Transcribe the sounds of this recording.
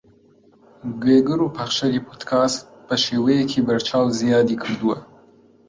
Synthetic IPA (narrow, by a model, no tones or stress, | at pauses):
ɡeɡəɾopaxʃaɾipʰot̪kʰɑspəʃewekʰebaɾt͡ʃɑwzijɑd̪ikʰəɾd̪uwa